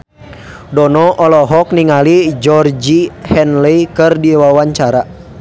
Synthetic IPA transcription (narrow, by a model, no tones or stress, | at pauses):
dɔnɔʔɔlɔɦɔk̚niŋalid͡ʒɔrd͡ʒihɛnlɛikɨrdiwawaɲt͡ʃaɾa